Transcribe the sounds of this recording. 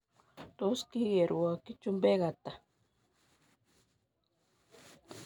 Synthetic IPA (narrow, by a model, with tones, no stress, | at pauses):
t̪o˦ski˦ɣe˨ɾu˨a˨ki˦t͡ʃu˦mbe˦ɣa˨t̪a˨